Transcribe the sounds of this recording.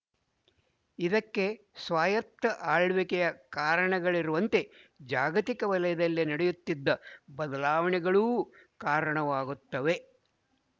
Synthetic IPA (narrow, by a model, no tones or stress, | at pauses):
id̪ɐkːe̞ | sʋaːjɐt̪ːɐʔaːɭʋikɛjɐkaːɾɐɳɐɡɐɭiɾuʋɐnt̪e̞d͡ʒaːɡɐt̪ikɐʋɐlɐjɐd̪ɐlːinɐɽɛjut̪ːid̪ːɐbɐd̪ɐlaːʋɐɳɛɡɐɭuː | kaːɾɐɳɐʋaːɡut̪ːɐʋe̞